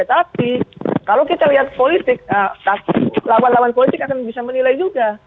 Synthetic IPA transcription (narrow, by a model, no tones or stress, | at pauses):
t̪apikalawkit̪aliɦat̪̚polit̪ɪk̚ət̪aplawanlawanpolit̪ɪkakanbisamənilajd͡ʒuɡa